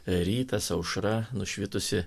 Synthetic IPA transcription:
ɾʲiːt̪ɐsɐʊʃɾɐnʊʃʲʋʲɪt̪ʊsʲɪ

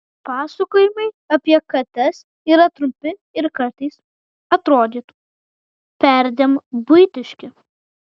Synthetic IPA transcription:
pɑːsɐkoːjɪmɐɪ | ɐpʲiɛkɐt̪ʲɐs | iːɾɐt̪ɾʊmʲpʲɪɪɾkɐɾt̪ɐɪs | ɐt̪ɾoːd̪ʲiːt̪ | pʲæɾʲd̪ʲembʊɪt̪ʲɪʃʲkʲɪ

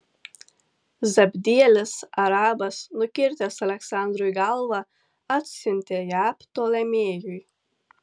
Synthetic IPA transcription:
zabʲd̪ʲiɛlʲɨsaɾaːbasnukʲiɾt̪ʲɛsalʲɛksand̪ɾujɡalˠva | at̪sʲinʲt̪ʲɛjapt̪ɔːlʲɛmʲiːjuj

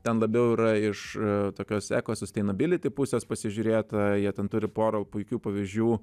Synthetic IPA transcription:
t̪ʲɛnlˠɐbʲɛʊiːɾɐɪʃt̪oːkʲoːsʲæ̰ːkoːsʊsʲt̪ɐɪnɐbʲɪlʲɪt̪ʲɪpʊsʲeːspɐsʲɪʒʲʊːɾʲeːt̪ɐjiɛt̪ʲɛnt̪ʊɾʲɪpoːɾoːpʊɪkʲuːpɐʋʲizʲd͡ʒʲuː

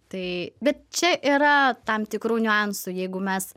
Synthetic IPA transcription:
t̪ɐɪbʲɛt̪̚t͡ʃʲɛʔiɾɐt̪ɐmt̪ʲɪkɾuːnʲʊɑnsuːjɛɪɡʊmʲɛs

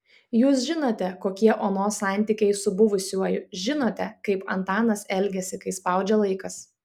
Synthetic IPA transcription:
juːsʒʲɪnoːt̪ʲɛkoːkʲiɛʔoːnoːsɑˑnʲˑt̪ʲikʲɛɪsʊbʊʋʊsʲuɔjʊʒʲɪnoːt̪ʲɛkɐɪpɐ̰nt̪ɑːnɐsɛlʲɡʲɛsʲɪkɐɪspɐˑʊd͡ʒʲɛlˠɐɪkɐs

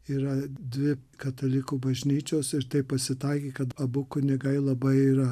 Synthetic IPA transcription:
iːɾɐd̪ʲʋʲɪkɐt̪ɐlʲɪkuːbɐʒʲnʲiːt͡ʃʲoːsɪɾt̪ɐɪppɐsʲɪt̪ɐɪkʲeːkɐt̪ɐbʊkʊnʲɛɡɐɪlˠɐbɐɪiːɾɐ

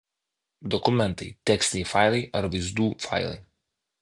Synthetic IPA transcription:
d̪ɔkʊmʲɛnt̪ɐɪt̪ʲɛksʲt̪ʲɪnʲɛɪfɑˑɪlˠɐɪʔɐɾʋɐɪzd̪uːfɑ̰ɪlˠɐ̰ɪ

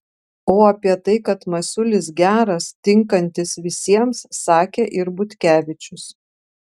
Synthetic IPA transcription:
oːɐpʲiɛt̪ɐɪkɐt̪mɐsʲʊlʲɪsɡʲæːɾɐst̪ʲɪŋkɐnʲt̪ʲɪsʋʲɪsʲiɛmsːɑːkʲeʔɪɾbʊt̪ʲkʲæːʋʲɪt͡ʃʲʊs

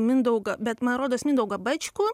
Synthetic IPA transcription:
mʲɪnd̪ɐʊɡɐbʲɛt̪mɐnɐt̪ɾoːd̪oɐsmɪnd̪ɐʊɡɐbɐt͡ʃʲkʊ

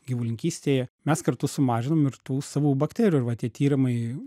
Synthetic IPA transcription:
ɡʲɪʋulʲɪŋʲkʲiːsʲt̪ʲeːjɛmʲɛskɐɾt̪ʊsʊmɑːʒʲɪnoːmɪɾt̪uːsɑːʋuːbɐkt̪ʲæːɾʲuːɪɾʋɐt̪ʲiɛt̪ʲiːɾɪmɐɪ

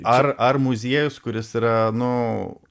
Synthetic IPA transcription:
ɐrɐrmʊzʲiɛjʊskʊɾʲɪsiːɾɐnʊ

